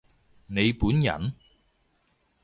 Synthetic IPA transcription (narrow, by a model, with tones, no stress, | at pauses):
ne˨˧jpuː˨˥njɐ̰˨˩n